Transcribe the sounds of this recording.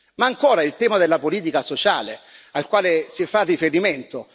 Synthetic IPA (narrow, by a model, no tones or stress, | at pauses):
maːŋkoːɾaɛlt̪ɛːmad̪elːapoliːt̪ikasot͡ʃaːlealkwaːlesiɛfːarːifeɾiment̪o